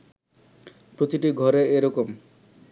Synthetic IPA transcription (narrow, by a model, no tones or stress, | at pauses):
pɾot̪iʈiɡʱɔɾeeɾɔkom